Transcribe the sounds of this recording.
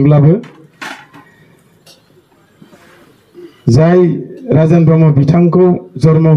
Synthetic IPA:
blabɯ | zajɾazanpɔmɔbitʰaŋkɔwzɔɾmɔ

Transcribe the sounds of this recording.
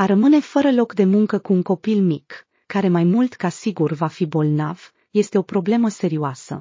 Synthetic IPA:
aɾəmɨne̞fəɾəlo̞kd̪e̞muŋkəkuːŋko̞pilmikː | aɾe̞majmult̪kasiɡurvafibo̞lnav̥ | je̞st̪e̞o̞pɾo̞ble̞məse̞ɾioasə̰

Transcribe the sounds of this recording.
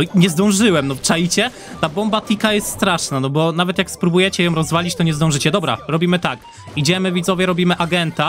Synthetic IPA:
ɔɲɛzd̪ɔ̃w̃ʐɘwɛmnɔpʂajit͡ɕɛ | t̪abɔmbat̪ʲikajɛst̪st̪ɾaʂnanɔbɔnavɛt̪jakspɾubujɛt͡ɕɛjɔ̃w̃ɾɔzvalʲit͡ɕt̪ɔɲɛzd̪ɔ̃wʐɘt͡ɕɛd̪ɔbɾa̰ɾɔbʲimɘt̪ak | id͡ʑɛmɘvʲid̪zɔvʲjɛɾɔbʲimɘʔaɡɛnt̪a

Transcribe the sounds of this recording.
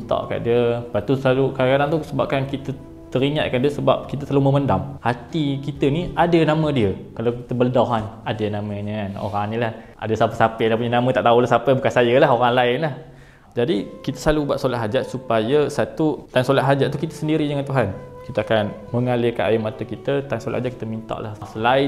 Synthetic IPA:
ət̪ɔ̰ʔka̰ʔdiəpat̪usəlalukaɾakadaŋt̪usəbap̚kankit̪ə | t̪əɾiɲat̪̚kaʔndiəsəba̰p̚kit̪əsaluməməndamhat̪ikit̪əniʔadənamə̃diəkalawkit̪əbəldaɦanadənaməɲəano̰ɾaŋnĩlah | a̰dəsapəsapədapuɲənamə̃t̪a̰ʔt̪aulahsapəbukansajəlaɦoɾaŋlaɪnlah | d͡ʒadikit̪əsalubuaʔ̪solaʔɦad͡ʒaʔsupajəsat̪ut̪ansolaʔɦad͡ʒaʔt̪ukit̪əsəndiɾidəŋant̪uɦankit̪əakanməŋalekanʔajimat̪əkit̪ət̪ansolaʔhad͡ʒaʔki̥t̪əmint̪a̰ʔlahsəlaɪ

